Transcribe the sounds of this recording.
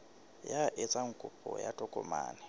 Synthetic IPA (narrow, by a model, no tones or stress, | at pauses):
jaʔet͡sʼaŋ̩kʼupʼɔja̰tʼɔkʼɔ̰ma̰ːnɪ